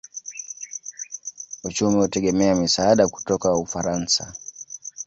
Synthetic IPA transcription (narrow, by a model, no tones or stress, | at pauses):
ut͡ʃumihutɛɠɛmɛamisaaɗaku̥tɔkaufaɾansa